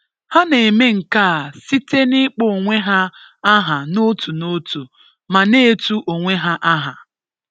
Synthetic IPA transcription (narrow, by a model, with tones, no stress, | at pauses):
ha˦ne˨me˦ŋ̩˨ka˦a˨si˦te˦ni˦k͡po˦˨ŋʷe˦ɦa˦a˦ɦa˨no˦tu˨no˦tu˨ | ma˨ne˦tu˦ʔo˨ŋʷe˦ɦa˦ʔa˦ɦa˨